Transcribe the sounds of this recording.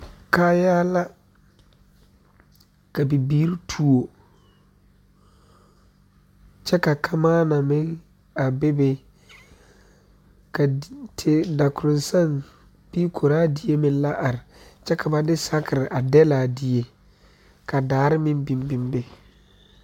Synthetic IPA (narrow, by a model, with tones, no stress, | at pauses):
ka˦jaː˦la˦ | ka˨bi˨biː˦ɾi˦tʰu˨o˨ | t͡ʃɛ˦ka˨kʰa˦maː˦na˨mɪ˦ŋ | a˨be˦be˦ | ka˨tʰe˦da˨kʊ˨ɾʊ˨nsa˦˨n | pi˦kʰo˨ɾaː˦di˦je˦mɪ̃˨n˦la˦ʔa˨ɾɪ˨t͡ʃɛ˦kʰa˨ba˦dɪ˦sa˦kɪ˨ɾɪ˨ʔa˨dɛ˦la˨di˨je˦ | ka˨daː˨˦ɾɪ˦mɪ̃˦nbi˨m˦bi˨mbe˨